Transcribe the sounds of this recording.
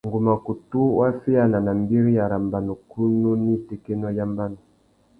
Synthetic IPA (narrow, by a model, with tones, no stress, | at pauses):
ŋɡu˨ma˨ku˨tu˦wa˦fi˦a˦na˨na˨mbi˦ɾi˦ja˨ɾa˨mba˨nu˨kʰu˦nu˦ni˦˨tɛ˦kɛ˦nɔ˦ja˦mba˦nu˨